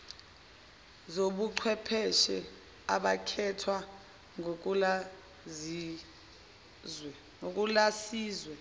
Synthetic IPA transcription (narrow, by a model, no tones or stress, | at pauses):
zoɓuǀʰwɛpʰɛʃɛ | aɓakʰɛtʰwa | ŋ̬ | ok̬ʼulasiːzwɛ